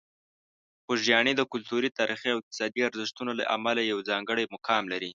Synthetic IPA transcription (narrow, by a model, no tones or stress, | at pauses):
xoʒjɑɳid̪əkʊlt̪uɾit̪ɑɾʔixiawɪq̚t̪ɪ̥sɑd̪iaɾzɪʃt̪unola̰ʔa̰malajawd͡zɑŋɡəɽajmʊkʰɑmlaɾi